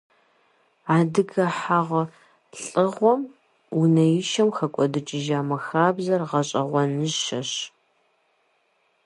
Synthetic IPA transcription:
aːdɨɡɐħaːʁɐ | ɬʼɨʁʷɔm | unɐjɪʃɐmxɐkʷʼɔdɨt͡ʃʼɪʒaːmɐxaːbzɐrʁɐɕʼɐʁʷɔnɨʑʃɐɕ

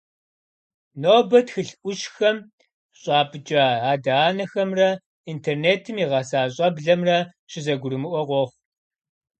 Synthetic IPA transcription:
noːbɐtxɨɬʔʷʊʃxɐm | ɕʼɑːpʼɨd͡ʒʼɐaːdaaːnɐxɐmrɐ | intʰerneːtʰɨmiʁɐsaːɕ̬ʼɐbɮɐmrɐ | ɕɪzɐɡʷʊɾɨmɨʔʷɔqʷɔχʷ

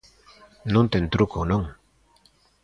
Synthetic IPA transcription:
nunt̪ent̪ɾukonoŋ

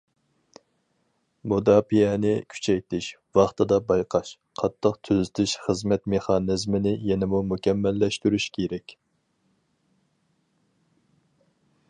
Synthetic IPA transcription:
mud̪ɑːpijɛnɪkʲʰy̥t͡ʃʰɛjt̪ʰɪʃvɑχt̪ɨd̪ɑbɑjqʰɑʃ | qʰɑt̪ʰːəqt̪ʰøzɪt̪ʰɪʃχəzmɛt̪meχɑnɨzmɪnɪjɛnɪmumukʲʰɛmːɛlːɛʃt̪yɾyʃkʲʰeɾɛkʲ

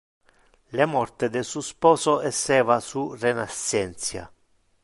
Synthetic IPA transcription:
lemɔrt̪ɪd̪esuspɔːsoɛsːɛːvasurenasɛnt̪sja̰

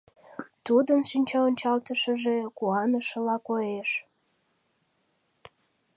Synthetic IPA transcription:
t̪ud̪ənʃynʲt͡ɕɑonʲt͡ɕɑlt̪əʃəʒekuɑnəʃəlɑkojeʃ

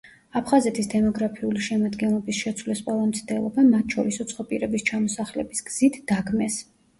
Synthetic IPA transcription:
apʰχazɛt̪ʰisd̪ɛmɔɡɾapʰiuliʃɛmad̪ɡɛnlˠɔbisʃɛt̪sʰwlɛspʼalˠamt̪sʰd̪ɛlˠɔbamat̪ʰʃɔɾisut̪sʰχɔpʼiɾɛbist͡ʃʰamɔsaχlɛ̰bisɡ̥z̥it̪ʰd̪̥aɡmɛs

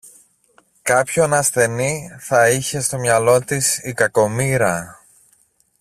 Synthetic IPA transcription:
kɐpço̞nɐsθe̞niθɐiçe̞st̪o̞mɲɐlo̞t̪isikɐko̞miɾɐ

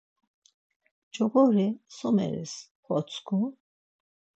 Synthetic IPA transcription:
d͡ʒɔɣɔɾisɔmɛ̰ɾɛ̰s | χɔt͡sʰkʰu

